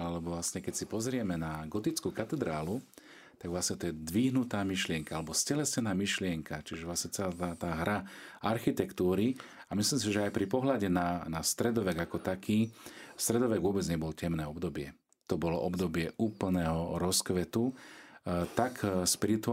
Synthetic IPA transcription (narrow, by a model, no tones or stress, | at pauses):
alɛbɔʋlasɲɛkɛcsipɔzɾɪɛmɛnaɡɔt̪it͡skuːkat̪ɛd̪ɾaːlu | t̪aɡʋlasɲɛt̪ɔjɛd̪ʋiːɦnut̪aːmiʃlɪɛŋkaalɛbɔscɛlɛscɛnaːmiʃlɪɛŋkat͡ʃiʒɛʋlasɲɛt͡sɛlaːt̪aːt̪aːɦɾaaɾxit̪ɛkt̪uːɾi | amisliːms̬iʒɛajpɾipɔɦlaɟɛnanast̪ɾɛd̪ɔʋɛɡakɔt̪akʰiːst̪ɾɛd̪ɔʋɛɡʋʊɔbɛd͡zɲɛbɔlɔcɛmnɛːɔbd̪ɔbɪɛ | t̪ɔbɔlɔʔɔbd̪ɔbɪɛʔuːpl̩nɛːɦɔɾɔskʋɛt̪u | t̪akspiɾit̪u